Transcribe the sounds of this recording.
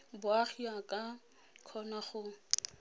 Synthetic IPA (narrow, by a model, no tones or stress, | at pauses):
bʊaχiakʼa | kʰɔnaχʊ